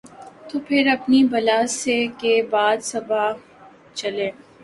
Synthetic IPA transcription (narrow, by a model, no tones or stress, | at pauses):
t̪oːpʰɪɾɐpnibɐlasekebaːd̪sɐba | t͡ʃɐleː